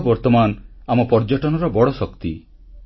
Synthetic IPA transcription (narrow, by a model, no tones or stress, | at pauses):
bɔɾt̪ɔmanamɔpɔɾd͡ʒɔʈɔnɔɾɔbɔɽɔsɔkt̪i